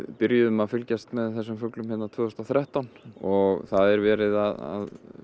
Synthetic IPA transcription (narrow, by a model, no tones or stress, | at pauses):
pʏɾjʏðʏmaðfʏlcast̪mɛðθɛsːʏmfœklʏmhɪnːat̪ʰvøːðʏst̪aθɾaht̪anɔɣθaðɛɾvɛːɾɪðaða̰ð